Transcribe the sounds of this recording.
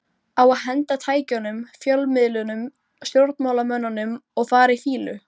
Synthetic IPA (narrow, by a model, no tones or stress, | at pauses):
awaðɦɛnt̪at̪ʰaːjcanʏmfjœlmɪðlʏnʏm | st̪jowɾt̪nmawlamœnːanːʏmɔɣfaːɾaifiːlʏ̰